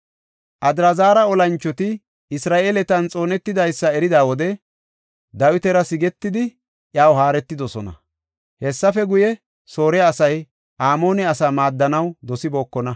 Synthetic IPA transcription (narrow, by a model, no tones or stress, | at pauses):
ʔɐd̪ɾɐzaːɾɐɔlɐnt͡ʃːɔt̪ɪ | ɪsɾaːʔe̞ːlɛt̪ɐnt͡sʼo̞ːnɛt̪ːɪd̪ɐjsːɐɛɾɪd̪aːwɔd̪ɛ | d̪ɐwɪt̪ɛɾɐsɪɡɛt̪ːɪd̪ɪ | ʔjaːwɦaːɾɛt̪ːɪd̪ɔsɔ̰nɐ̰ | hɛsːɐfɛɡʊjɛ | so̞ːɾɛːsɐj | ʔaːmo̞ːnɛɐsaːmaːd̪ːɐnɐwd̪ɔsɪbo̞ːkːɔnɐ